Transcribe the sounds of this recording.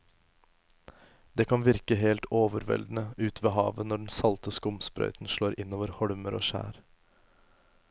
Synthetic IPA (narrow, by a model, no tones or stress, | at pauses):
d̪eːkʰɑnʋɪɾkəɦeːlt̪oːʋəɾʋɛ̰ld̪n̩əʉːt̪ʰʋeːɦɑːʋənɔɖɛnsɑlt̪əskʊmspɾœ̰ʏt̪n̩ʃɭoːɾʔɪnːoːʋəɾhɔɽməɾo̰ːʃæ̰ːɾ